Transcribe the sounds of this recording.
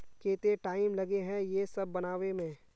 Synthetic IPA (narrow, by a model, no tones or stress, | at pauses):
keːt̪eʈaːɪmlɐɡeɦɛ̃jesɐbːɐnaːʋemẽː